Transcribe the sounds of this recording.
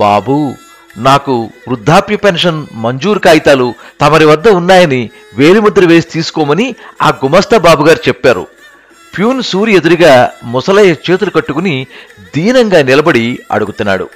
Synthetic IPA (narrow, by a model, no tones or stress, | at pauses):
ba̰ːbu | naːkuʋɾud̪ʱːaːpjɐpenʂɐnmɐɲd͡ʒuːɾkaːjit̪aːlut̪ɐmɐɾiʋɐd̪ːɐunːaːjɐni | ʋe̞ːɾimɐd̪ːɾɐʋe̞ːsi̥t̪iːsu̥kɔːmɐniaːɡumɐst̪ʰɐbaːbuɡaːɾit͡ʃɛpːaːɾṵ | pjuːnsuːɾjed̪uɾiɡaːmɔsɐlɐjɐt͡ʃe̞ːt̪̬ulukɐʈːukunid̪iːnɐŋɡaːnilɐbɐɽiɐ̰ɽuɡut̪unːa̰ːɽṵ